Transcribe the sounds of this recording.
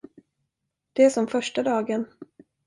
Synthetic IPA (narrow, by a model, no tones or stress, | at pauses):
d̪̥ɛæʂɔmfœʂʈad̪ɑːɡən